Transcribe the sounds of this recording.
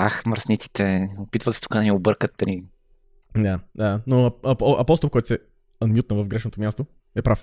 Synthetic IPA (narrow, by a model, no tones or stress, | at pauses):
axməɾsnit̪si̥t̪ɛopit̪vət̪sɛ̥t̪u̥kad̪ɐniobɤɾkət̪ːɐni | d̪ad̪anoɐpɔʔɐpɔst̪olˠkɔjt̪ɛ | ɐnmʲjut̪nəvəvɡɾɛʃnot̪omʲjast̪o | ɛpɾaf